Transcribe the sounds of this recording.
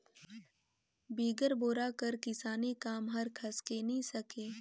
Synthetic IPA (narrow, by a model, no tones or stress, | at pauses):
biːɡəɾboːɾakɐɾkɪsaːnikaːmɦɐɾkʰɐskenɐĩsɐkeː